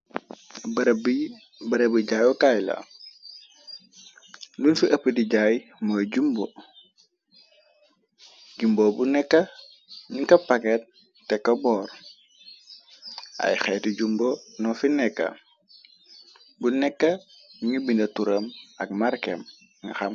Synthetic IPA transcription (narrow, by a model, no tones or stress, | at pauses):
b | bəɾebiɟajɔkajlɐ̰ | dunsuʔɐpːədiɟajmoɟumbo | ɟumbobunɛkːɐ | ɲiŋkɐpaket̚ | tːɛkːɐbɔːɾ | a̰jxeːtiɟumbonɔfinɛkːɐ̰ | bunɛkːɐ | ɲibindɐtuɾəmɐk̚maɾkḛm | ŋɡaxam